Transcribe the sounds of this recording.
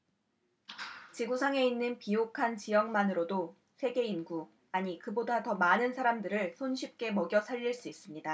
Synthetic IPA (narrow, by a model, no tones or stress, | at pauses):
t͡ɕiɡusʰaŋe̞inːɯnpijokʰant͡ɕijʌŋmanɯɾodo | sʰe̞ɡe̞inɡu | aɲikɯbodatʌmanɯnsʰaɾamdɯɾɯɭsʰonɕʰip̚k͈e̞mʌɡjʌsʰaʎːiɭs͈uis͈ɯmɲida